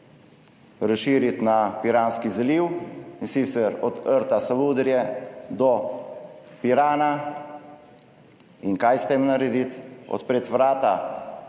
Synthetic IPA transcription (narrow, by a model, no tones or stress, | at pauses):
ɾaʃiːɾit̪napiɾaːnskizɛliwinsiːt̪sɛɾɔd̪əɾt̪asaʋuːd̪ɾjɛd̪ɔ | piɾaːna | iŋkajst̪emnaɾɛd̪it̪ɔ̰t̪pɾeːt̪ʋɾaːt̪a